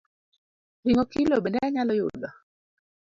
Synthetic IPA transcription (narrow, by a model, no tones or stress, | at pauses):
ɾiŋɔkilobɛndɛaɲalɔjʊda